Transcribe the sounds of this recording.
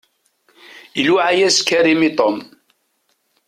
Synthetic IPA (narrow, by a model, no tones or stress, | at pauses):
ilwaʕajæskæɾimit̪ˤom